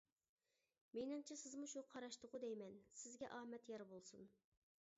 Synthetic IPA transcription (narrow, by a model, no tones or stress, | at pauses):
menɨŋt͡ʃʰisɪzmuʃuqʰɑɾɑʃt̪ʊʁʊd̪ɛjmɛnsɪzɡʲɛʔɑːmɛt̪jɑɾbolˠsun